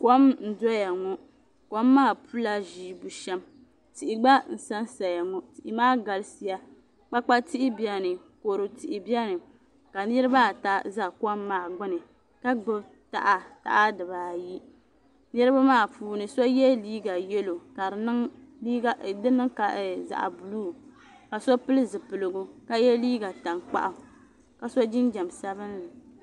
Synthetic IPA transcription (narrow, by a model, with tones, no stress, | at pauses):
kɔ˦mn̩˨dɔ˦ja˨ŋɔ˦ | kɔ˦mːaː˦˨pu˦la˦ʒiː˨bu˨ʃɛ˦m | ti˨ʔi˨ɡ͡ba˦n̩˨sa˦nsa˨ja˨ŋɔ˦ti˨ʔi˨maː˦ɡa˨lsi˦ja˦ | k͡pa˦k͡pa˦ti˦ʔɪ˦bi˨a˦nɨ˨ko˨ɾɨ˨ti˨ʔɪ˨bi˦a˦nɨ˨ | ka˨nɨ˦ɾɨ˦ba˦˨ta˦za˦kɔ˦mːaː˨ɡ͡bʊ˦nɨ˨ | ka˦ɡ͡bɨ˦ | ta̰˨ʔa˨ta̰˦ʔa˦dɨ˨βaː˨ji˦ | nɨ˦ɾɨ˦ba˦maː˦˨fuː˨nɨ˨so˦jɛ˦liː˦ɡa˨jɛ˦lo˨ka˨˦nɨ˦ŋi˦dɨ˦nɨ˦ŋka˨za̰˨ʔa̰˨bu˨luː˦˨ | ka˨so˦pɨ˦lɨ˦zɨ˨pɨ˨lɨ˨ɡʊ˦ka˦jɛ˦liː˦ɡa˨ta˨ŋk͡pa̰˦ʔa˨ | ka˨so˦d͡ʒɪ˦nd͡ʒa˨msa˦bɨ˦nːa˨